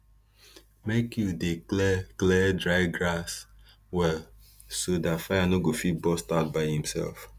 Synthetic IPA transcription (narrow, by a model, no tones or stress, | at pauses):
mekjudeklɛklɛdɹaɪɡɹas | wɛl | sodatfaɪanoɡofit̚bɔstaʊt̚baɪhĩmsɛ̰lf